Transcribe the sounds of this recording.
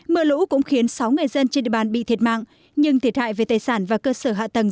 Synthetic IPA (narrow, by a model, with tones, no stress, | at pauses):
mɨ˧əlṵ˧˥kʊ̰˧˥ŋ͡mxi˨˦ənsa˨˦wŋɨ˨˩əjzə˧nt͡ɕe˧nɗḭ˨ə˨ɓaː˨˩nɓḭ˧˨t̪ʰi˨˩t̚ma̰ː˧˨ŋ | ɲɨ˧ŋt̪ʰi˨˩ət̚ha̰ː˧˨jve˨˩t̪aː˨˩jsaː˧˩nvaː˨˩kəː˧səː˧˩ɦa̰ː˧˨t̪ə˨˩ŋ